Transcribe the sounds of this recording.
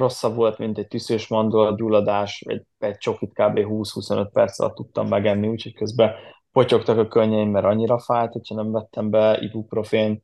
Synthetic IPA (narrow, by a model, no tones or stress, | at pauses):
ro̞sːɒbvo̞lt̪mint̪ɛc̚t̪ysøːʃmɒnd̪olɒuːlːɒd̪aːʃʋɒ̰ɟ | ɛɟt͡ʃo̞kit̪kaːbeːɦuːshuso̞nøt̪̚pɛrt̪sɒ̰lɒ̰t̪ːut̪ːɒ̰mːɛɡɛnːiuːcho̞ckø̞zbɛ | po̞co̞kt̪ɒkɒkøɲːɛjimːɛɾɒɲːiɾɒfaːjt̪ho̞cʰhɒnɛɱvɛt̪ʰːɛmbɛḭbukpro̞feːn